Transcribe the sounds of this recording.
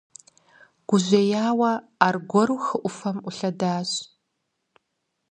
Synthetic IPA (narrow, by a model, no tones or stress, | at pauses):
ɡ̥ʷʊʑʷeːjaːwɐaːrɡʷɔɾuxɨʔʷʊfɐmʊɬɐdaːɕ